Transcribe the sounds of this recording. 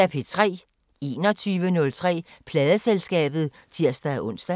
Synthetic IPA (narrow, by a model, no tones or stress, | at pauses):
æpʰe̝t͡sʰʁɛ̰ː | e̝̰ːnɒt͡sʰyːʋənɔ̽lt͡sʰʁɛ̰ːpʰlɛːðˠəselsɡ̥ɛ̰ːb̥ð̞̩ˠ | t͡sʰiɐ̰sd̥æʔɔ̽n̰sd̥æ